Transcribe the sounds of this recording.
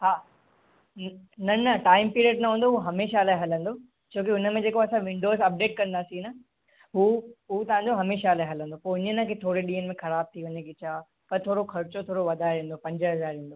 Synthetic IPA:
ɦaː | nɐnɐʈaːɪmpiːɾiəɖnɐɦũːn̆d̪oɦuɦɐmeːʃalaːeɦɐlə̃nd̪oː | t͡ɕʰoːkiʊnə̆mẽd͡ʑeːkoɐsãʋɪ̃ɳɖoːzɐp̚ɖeːʈ̚kɐ̃nd̪aːsĩnɐ | ɦuːɦut̪ɐʋ̤ãːɲd͡ʑoɦɐmeːʃalaːeɦɐlə̃nd̪opoːɪnənə̃kʰet̪ʰoːɽeɗiːənɪmẽxɐɾaːb̚t̪ʰiʋɐɲekɪt͡ɕʰaː | pɐɾt̪ʰoːɽokʰɐɾt͡ɕot̪ʰoːɽoʋɐd̪ʱaːeɾẽːn̆d̪opɐ̃ɲd͡ʑəɦɐzaːɾẽːn̆d̪o

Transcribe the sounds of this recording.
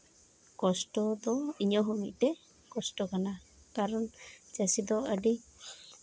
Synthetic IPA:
kɔsʈɔd̪ɔiɲɔɦɔmit̪̚ˀt̪ɛ | kɔsʈɔkanakaɾɔnd͡ʒasid̪ɔəɖi

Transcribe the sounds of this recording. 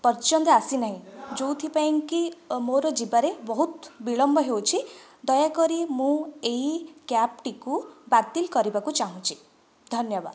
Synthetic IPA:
pɔɾt͡ʃɔnd̪ɔasinaɦĩd͡ʒowt̪ʰipaĩŋkimoɾɔd͡ʒibaɾebɔɦut̪biɭɔmbɔɦewt͡ʃʰid̪ɔjakɔɾimũeɦikjap̚ʈikubat̪ilkɔɾibakut͡ʃaɦũt͡ʃʰi̥ | d̪ʱɔnjɔba̰d̪

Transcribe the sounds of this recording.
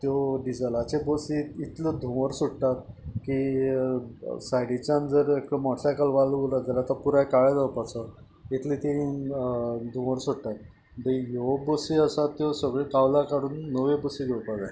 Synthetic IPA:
t̪jɔɖid͡zəlat͡ɕebəsiit̪ləd̪ʱuʋəɾsuɽt̪at̪̚ki | sajɽit͡ɕãnd͡zəɾekəmɔʈsakəlʋaluɾəd͡zəlat̪apuɾakaɭed͡zawpat͡sə | it̪ʰlit̪e | d̪ʱũʋəɾsuɽt̪at̪̚ | d̪əjobəsiəsat̪ːjɔsəɡɭekaʋlakaɽuːnːəʋebəsiɡ̪ewpad͡za

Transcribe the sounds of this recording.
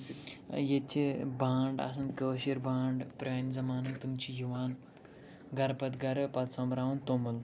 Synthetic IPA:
jet͡ʃʰibʱaːɳɖa̰s̬ɐnkəːʃiɾbʱaːɳɖpɾaːnʲzɐmaːnɐnt̪umt͡ʃʰijuʋaːn | ɡɐɾpɐt̪ɡɐɾpɐt̪sɐ̃mɾaːunt̪omɐl

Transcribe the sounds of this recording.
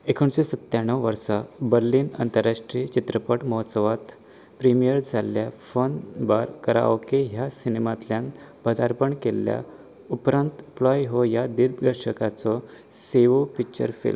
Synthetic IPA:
ekʰuɳɕesət̪jaɳ̃əʋʋəɾsabəɾliːnə̰nt̪əɾːaʂʈɾiːt͡ɕit̪ɾəpəʈmɔɦɔt̪səʋat̪ | pɾimijəɾd͡zʱaljafonbaɾkəɾa̰ʋkeɦjasinemat̪ljãn | bəd̪aɾpəɳkelːja̰ | upɾãnt̪plɔjɦojad̪iɾd̪ɡəɾɕəkat͡sɔ | seʋopik̚t͡ɕə̰ɾfḭlm

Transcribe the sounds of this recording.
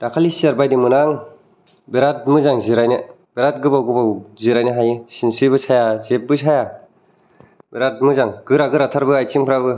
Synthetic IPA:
dakʰalisiaɾbajdimɯnaŋ | beɾat̚mɯzaŋziɾajnɯ | b̥eɾat̚ɡɯbawɡɯbawziɾajnɯɦajɯsinsiβɯsʰajazep̚bɯsʰaja | beɾat̚mɯzaŋɡɯɾaɡɯɾatʰaɾbɯajt͡ʃiŋpʰɯɾaβɯ

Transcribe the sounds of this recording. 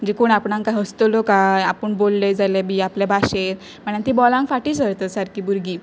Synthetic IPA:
əd͡ʑikoɳapɳãŋkajɦəst̪olokajapəɳbolːed͡zalebʱiːaplabʱaɕet̪ | m̤əɳant̪ibɔlãŋkfaʈiːsəɾt̪əsaɾkiːbuɾɡiː

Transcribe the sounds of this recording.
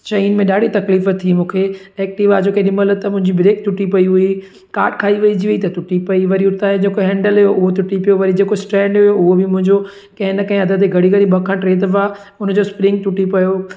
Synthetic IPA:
t͡ɕɐiːnmẽɗaːɽ̤ʱit̪ɐkliːft̪ʰːimũːkʰeɛːk̚ʈɪʋad͡ʑoːkeɗɪmələt̪ɐmʊ̃ɦɪ̃ɲd͡ʑibɾeːk̚t̪ʊʈipɐiɦʊi | kaːɾʈkʰaːiʋɐid͡ʑiʋɐit̪ɐt̪ʊʈipɐiʋɐɾiʊɾt̪ãːd͡ʑeːkoɦɛ̃ːɳɖəlɦʊjoʔʊɦot̪ʊʈipijoʋɐɾid͡ʑeːkosʈɾɛ̃ːɳɖɦʊjoʊɦobɪmʊ̃ɦɪ̃ɲd͡ʑo | kɐ̃ɦɪ̃nɐkɐ̃ɦɪ̃ɐd̪ʱəd̪eɡʱɐɽiɡɐɾibɐkʰãʈɾeːt̪əʋaː | ʊnd͡ʑospɾɪ̃ŋɡ̚t̪ʊʈipɐjo

